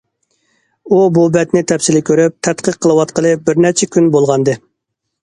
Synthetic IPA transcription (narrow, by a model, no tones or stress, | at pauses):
ububɛt̪nɪt̪ʰɛpsɪlɪkʲʰøɾyp̚t̪ʰɛt̪qʰəqʰːəlˠɨwɑt̪qəlˠɨbɪɾnɛt͡ʃʰɛkʲynbolˠʁɑnd̪ɨ